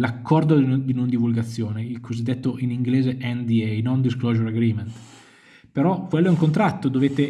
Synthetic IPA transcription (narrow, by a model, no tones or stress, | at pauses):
lakːɔrd̪od̪inond̪ivulɡat̪sːjoːneilkʰozid̪ːet̪ːoʔiniŋɡleːzeʔɛnd̪iɛjnond̪iskloʒoɾaɡɾiːment̪ | peɾɔkwɛlːoɛuŋkont̪ɾat̪ːod̪oveːt̪e